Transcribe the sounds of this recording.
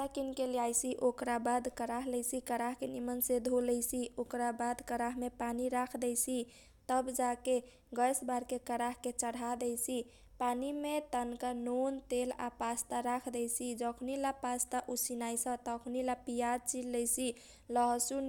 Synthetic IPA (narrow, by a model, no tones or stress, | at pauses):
takinkeljajsiʔokɾabad̪kəɾaɦlɛjsikəɾaɦkenimənsed̪ʱolɛjsiokɾabad̪ʱkəɾaɦmepaniɾakʰd̪ɛjsi | t̪əbd͡ʒake | ɡəjsbaɾkekəɾaɦket͡ʃəɽad̪ɛjsi | panimet̪ənkanont̪ela̰past̪aɾakʰd̪ɛjsid͡ʒəkʰnilapast̪aʔusinajsə̃t̪əkʰnilapijad̪̚t͡ʃilɛjsi | ləɦsun